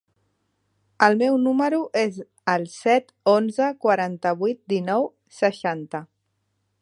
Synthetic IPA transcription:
əlˠmɛwnuməɾuʔez | əlˠsɛt̪onzəkwaɾant̪əβ̞ijt̪̚d̪inɔw | səʃant̪ə

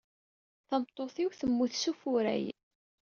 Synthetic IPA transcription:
θəmt̪ˤːoθiwθəmːuθsufʊɾæ̰j

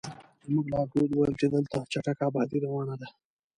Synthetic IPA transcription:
muɡlɑɡod̪wajəmt͡ʃed̪əlt̪at͡ʃaʈakabɑd̪iɾawɑnad̪a

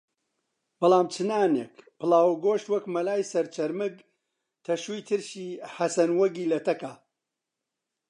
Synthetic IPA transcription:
b̥ɐlˠaːmt͡ʃʰɨnaːneːkpɨlˠaːwɡoːʃt̪wɐkmɐlaːjsɐɾt͡ʃʰɐɾmɨɡ | t̪ʰɐʃujt̪ʰɨɾʃiːhɐsɐnwɐɡiːlɐt̪ʰɐkaː

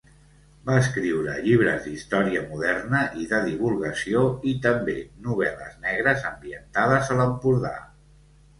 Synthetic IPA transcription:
baəskɾiwɾə̰ʎiβ̞ɾə̰zd̪ist̪ɔɾiəmuðɛrnəʔiðəðiβ̞ulˠɣəsioit̪əmbenuβ̞ɛləznɛɣ̞ɾəzəmbiənt̪aðəzələmpuɾða̰

